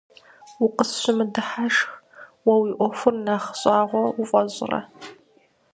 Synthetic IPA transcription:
wʊqəsɕɪmɨdɨħaʂx | wɐwiːʔʷɔfʊrnaːχɕʼaːʁʷɔwʊfʼɔʑʼɪ̰rɐ̰

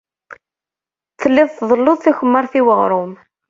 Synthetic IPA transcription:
θəlːɪðˤθðˤəlːʊðˤθæçəmːəɾˤθiwəʁɾˤʊm

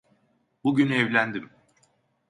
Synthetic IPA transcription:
buɟynɛvlʲænd̪im

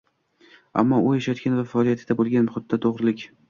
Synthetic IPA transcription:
a̰mːɒʊjaʃat̪̚kʲanvafaɒlijat̪ʰɪd̪abolˠɡʲanmχʊd̪t̪̚ːd̪at̪ʰoʁɾɪlɪkʲ

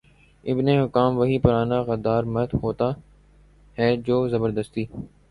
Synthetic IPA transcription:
ɪbneɦʊkaːmʋɐɦipʊɾaːnaɣɐd̪aːɾmɐt̪ɦoːt̪a | ɦɛd͡ʒoːzɐbəɾd̪əst̪iː

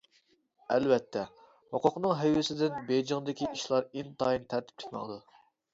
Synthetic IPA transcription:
ælvɛt̪ʰːɛ | hoqʰʊqnɨŋɦɛjwɪsɪd̪ɪnbejd͡ʒɑŋd̪ɪkʲiiʃlˠɑɾint̪ʰɑjint̪ʰæɾt̪ʰɪ̥p̚t͡ʃʰɪ̥kʲmɑ̰ŋd̪u

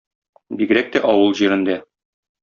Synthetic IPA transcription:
biɡɘ̆ɾæk̚t̪æʔɒwɤlˠʑiɾɘ̆nd̪æ

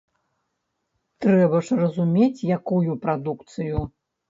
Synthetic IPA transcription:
t̪ɾɛbɐʂrɐzumʲet͡sʲjakujupɾad̪ukt̪sɨju

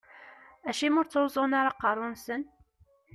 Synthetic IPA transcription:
æʃimʊɾt͡sːowzˤʊnaɾɑqɑɾˤʊnsən

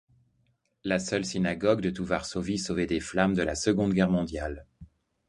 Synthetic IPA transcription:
lasœlsinaɡɔɡd̪ət̪uvaʁsovisovɛd̪eflamd̪əlasəɡɔ̃d̪ɡʲɛʁmɔ̃d̪jal

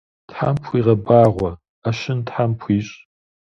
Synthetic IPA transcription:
tħa̰mpʰʷiːʁɐbaːʁʷɐ | aʃɪntħampʰʷiːɕʼ

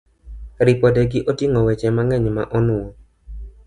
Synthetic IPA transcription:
ɾɪpɔdɛɡɪʔotiŋɔwɛt͡ʃɛmaŋɛɲma̰ʔɔnʊɔ

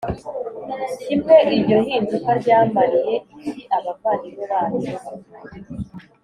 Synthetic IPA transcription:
imŋe̞ʔiɾɟo̞ɦiːnzukaɾɟaːmaɾije̞indiʔaβaɡwaːniβoβaːnu

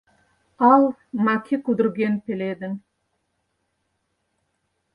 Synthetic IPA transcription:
ɑlˠmakʲʰikud̪ɪɾɡʲenpeled̪ɪn

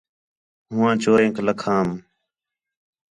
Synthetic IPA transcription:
ɦʊ̃ːãːt͡ʃoːɾẽːkləkʰãːm

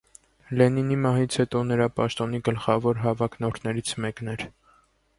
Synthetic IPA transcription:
lɛninimɑɦit͡sʰhɛt̪ɔnəɾɑpɑʃt̪ɔniɡəlχɑvɔɾɦɑvɑknɔɾʰnɛɾit͡sʰmɛknɛɾ

